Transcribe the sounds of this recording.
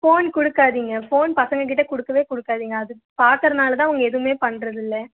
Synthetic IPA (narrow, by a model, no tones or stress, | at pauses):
foːnkʊɽɯkːaːðiːŋɡɐfoːnpɐsɐŋɡɐk̬ɪʈːɐkʊɽɯkːɐʋeːkʊɽɯkːaːðiːŋɡɐːðɯ | paːɾkɐɾɐnaːlɐt̪̬ãːɐʋɐŋɡɐɛðɯʋmeːpɐɳːɾɐðɪlːɐ